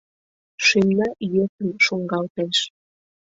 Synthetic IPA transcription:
ʃemnɑjøkənʃoŋɡɑlt̪eʃ

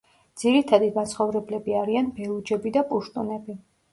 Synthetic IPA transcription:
d̪z̥iɾit̪ʰad̪iɡansχɔvɾɛblɛbiaɾianbɛlˠud͡ʒɛbid̪apʼuʃt̪ʼunɛbi

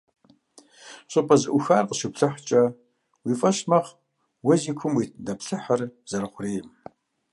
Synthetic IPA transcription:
ɕʼɨpʼɐzɨʔʷʊxaːrqəʃɪpɬɨħt͡ʃʼɐ | wiːfʼɐʃmɐχ | wɐziːkʷʰʊmwiːdɐpɬɨħarz̥ɐɾχʷʊriːm

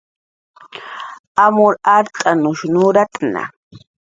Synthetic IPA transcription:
amʊɾaɾt̪ʼanʊʃnʊɾat̪ʼna̰

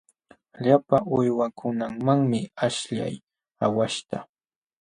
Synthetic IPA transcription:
ʎapaʔʊjwakʰʊnaŋmaŋmɪaʃʎa̰j | awaʃt̪a

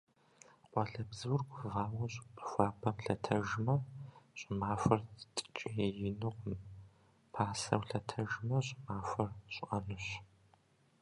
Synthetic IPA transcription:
qʷɔɮɐbzɨwrɡʷvaːwɐɕʼxʷaːpʰɐmɬɐtʰɐʒmɐɕʼɪmaːfɐrtʼt͡ʃʼɪjɛjɪnɨqʷʊm | pʰaːsɐ̰wɬɐtʰɐʒmɐɕʼmaːfʷɐrɕʷʼʔɐnɨɕ

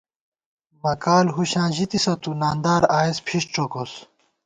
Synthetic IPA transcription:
mɐkaːlɦuɕãːʑit̪isɐt̪unaːnd̪aːɾaːispʰiʂʈ͡ʂokos

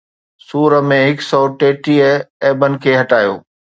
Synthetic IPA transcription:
suːɾəmẽɦɪksɔʈeːʈiəɛːbənɪ̆kʰeːɦɐʈaːjo̰ː

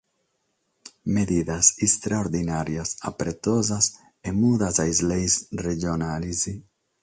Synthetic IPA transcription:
meðiðasist̪ɾaoɾðinaɾjasa̰pɾet̪ozas | emuðazajzlejsreʒonalizi

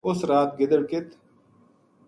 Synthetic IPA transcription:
ʊsɾaːt̪̚ɡɪd̪əɽkɪt̪

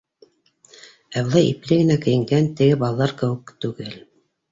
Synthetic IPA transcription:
æwlˠɑjiplɘɡɘ̆nækɘ̆jɘ̆ŋɡænt̪ɘ̆ɡɘbɑlˠɑlˠɑɾkɘ̆wɘ̆kt̪ʉɡɘl

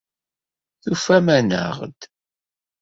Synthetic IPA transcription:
θufæmænə̰ʁd̪

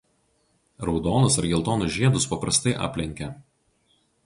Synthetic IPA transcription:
ɾɒʊd̪oːnʊsɐɾɡʲɛlˠt̪oːnʊʒʲiɛd̪ʊspɐpɾɐst̪ɐɪʔɑ̰ːpʲlʲɛŋʲkʲɛ

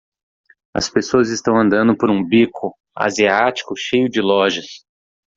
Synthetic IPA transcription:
ɐ̰spesoɐzɪst̪ɐ̃w̃ɐ̃nd̪ɐ̃nd̪ʊpoɾũbikʰʊ | a̰ziat͡ʃi̥kʊʃejʊd͡ʒɪlɔʒɐs

